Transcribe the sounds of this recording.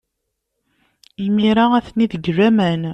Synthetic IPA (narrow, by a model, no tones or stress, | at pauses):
imiɾaæθniðəɡræmæn